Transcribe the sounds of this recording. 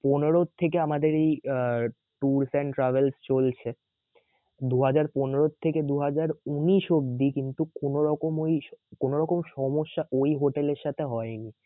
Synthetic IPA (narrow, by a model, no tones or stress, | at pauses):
poneɾot̪ʰːek̬eamad̪eɾej | ʈuɾseɳʈɾabelst͡ɕolt͡ɕʰe | d̪uɦad͡ʑaɾponeɾot̪ʰːeked̪uɦad͡ʑaɾuniʃobd̪ikint̪ukonoɾɔkomojkonoɾɔkomʃɔmoʃːaʔojɦoʈeleɾʃat̪ʰeɦɔeni